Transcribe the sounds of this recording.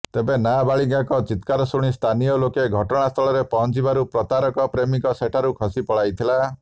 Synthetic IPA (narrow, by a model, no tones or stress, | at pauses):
t̪ebenabaɭiŋɡakɔt͡ʃit̪kaɾɔsuɽ̃ist̪ʰanijɔlokeɡʱɔʈɔɽ̃ast̪ʰɔɭɔɾepɔɦɔnt͡ʃibaɾupɾɔt̪aɾɔkɔpɾemikɔseʈʰaɾukʰɔsipɔɭajt̪ʰila